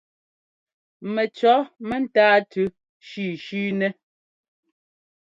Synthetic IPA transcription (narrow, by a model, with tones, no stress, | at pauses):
mɛ˨t͡ʃɔ˨˦mɛ˦n˦taː˦tʰʉ˦ | ʃi˦˨ʃiː˦nɛ˦